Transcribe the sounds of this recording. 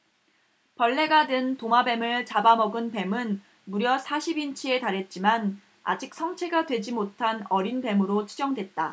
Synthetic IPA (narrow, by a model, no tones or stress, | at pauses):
pʌɭːe̞ɡadɯntomabe̞mɯɭt͡ɕabamʌɡɯnpe̞mɯn | muɾjʌsʰaɕʰibint͡ɕʰie̞taɾe̞t̚t͡ɕ͈iman | a̰d͡ʑik̚sʰʌŋt͡ɕʰe̞ɡadwe̞d͡ʑimotʰanʌɾinpe̞mɯɾot͡ɕʰud͡ʑʌŋdwe̞t̚t͈a